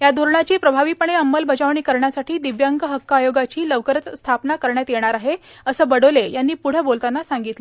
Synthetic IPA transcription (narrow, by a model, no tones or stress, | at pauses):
jad̪ʱuɾɳat͡ɕiːpɾəbʱaʋiːpəɳeəmːəlbəd͡zaʋɳiːkəɾɳjasaʈʰiːd̪iʋjaŋɡəɦəkːajoɡat͡ɕiːləʋkəɾət̪st̪ʰapnakəɾɳjat̪jeɽ̃aɾaɦe | əsəːbəɽolejanːiːpuɽ̤əbolt̪anːasaŋɡit̪lei